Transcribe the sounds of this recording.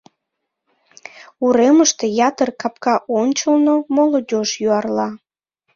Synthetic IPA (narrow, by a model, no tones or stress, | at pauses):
uɾeməʃt̪e̽jɑt̪ərkɑp̚kɑʔonʲt͡ɕəlnomolod̪ʲoʃjyɑrlɑ